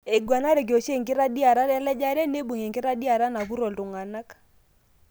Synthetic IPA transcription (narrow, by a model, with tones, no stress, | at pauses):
e˨ɡwa˨na˦ɾe˨k̬o˨ʃe˦˨ŋɡɪ˦ɾa˦ɗi˦a˨ɾa˦ɾa˦lɛ˦d͡ʒa˦ɾɛ˦ne˦bu˨ŋe˨ŋɡɪ˦ɾa˦di˦a˨ɾa˦na˨βu˦ɾɔ˨ltu˨ŋa˨na˦k